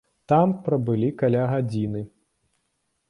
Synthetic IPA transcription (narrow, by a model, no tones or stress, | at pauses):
t̪ampɾɐbɨlʲikalʲaɣad͡zʲinɨ